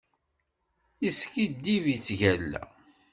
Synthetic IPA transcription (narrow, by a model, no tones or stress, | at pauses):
iskid̪ːivjət͡sːʝælːæ̰